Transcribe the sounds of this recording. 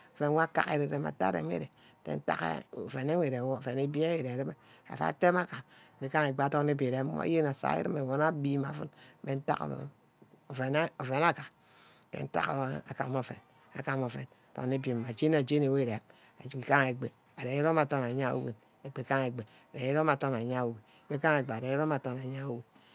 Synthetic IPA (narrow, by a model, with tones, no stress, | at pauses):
o˨fe˨nʷ˦a˦ka̰˦kḛ˨ɾe˨ɾe˨ma̰˨ta̰˦ɾḛ˨mʷ˦ḛ˦ɾe˨˦ | tḛ˨n̩˦ta̰˦kḛ˦o˨fe˨ne˦wʷe˨ɾe˨wo˦˨fe˨ne˦bi˦e˦je˨ɾe˨ɾi˦me˦a̰˨fa̰˨˦te˦ma˦ka˨k͡pi˨ka˦ŋe˨ɡ͡be˨a˨to˦e˦be˨ɾe˨˦mo̰˦je˦na˨sa̰˨˦jḭ˦ɾi˦me˨wo˨na˦bi˦ma˨fṵ˦n˦me˨n̩˦ta̰˦ko̰˨ | o˨fe˨n˦o˨fe˨na˦ka˨ | kḛ˨n̩˦ta̰˦ko̰˨˦a˨ka̰˨˦m˦o˨fḛ˨n | a̰˨ka˦mo˨fḛ˨n˨to̰˨˦e˦bi˨m˨a˨d͡ʒe˦n˦a˨d͡ʒe˦ne˨we˦˨ɾe˨ | ki˨ka˦ŋe˨ɡ͡be˨ | a˨ɾe˨i˦ɾo˦ma˨to˦n˨a˨ɲa˦o̰˨wḛ˦n | e˨ɡ͡be˨ka˦ŋe˨ɡ͡be˨ | a˨ɾe˨i˦ɾo˦ma˨to˦na˨ɲa˦o˨we˨˦k͡pe˦ka˦ŋe˨ɡ͡be˨a˨e˨˦ɾo˦ma˨to˦na˨ɲa˦o˦we˨